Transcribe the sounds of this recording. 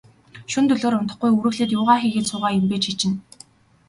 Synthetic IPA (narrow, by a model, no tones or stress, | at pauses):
ʃunt̪ɵɮoːɾʊnt̪ə̆χɡujuɾɵ̆wɮeːt̪̬jʊːʁaːxiːɣeːsʊːʁaːjʊmpeːt͡ɕxit͡ɕɪ̆n